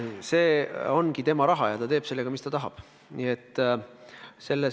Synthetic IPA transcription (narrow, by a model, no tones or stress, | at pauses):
se̞ːo̞nɡ̥it̪e̞mɑɾɑɦɑjɑt̪ɑt̪e̞ːpse̞lːe̞ɡ̥ɑmist̪ɑt̪ɑɦɑ̰b̥ | niet̪ˑː | se̞lːe